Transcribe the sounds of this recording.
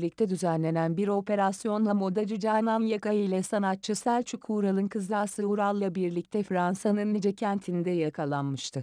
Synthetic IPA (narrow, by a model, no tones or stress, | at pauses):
lʲic̚t̪ʰɛd̪yzænlʲe̞nænbiɾo̞pe̞ɾasjo̞nlˠamo̞d̪ad͡ʒyd͡ʒaːnamjakajɯjlʲɛsanat̪̚t͡ʃʰːɯsælʲt͡ʃʰykʰuːɾalˠɯnkʰɯzlˠaːsɯuɾalˠːabiɾlʲic̚t̪ʰɛfɾansanɯnːid͡ʒɛcʰænt̪ʰind̪ɛjakʰalˠanmɯʃt̪ʰɯ